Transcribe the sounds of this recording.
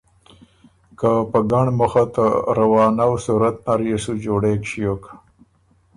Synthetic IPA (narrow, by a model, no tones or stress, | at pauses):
kapəɡaɳmuxat̪aɾawɑːnawsuɾat̪̚naɾeʂud͡ʒoɽekʃijoka